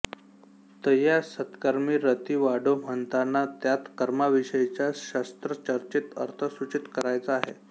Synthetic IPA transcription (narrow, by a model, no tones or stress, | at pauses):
t̪əɦjasət̪kəɾmiːɾət̪iːʋaɽom̤əɳt̪anːat̪jat̪kəɾmaʋiɕəit͡ɕjaɕast̪ɾət͡ɕəɾt͡ɕit̪ə̰ɾt̪ʰəsʋut͡ɕit̪kəɾajt͡saaɦe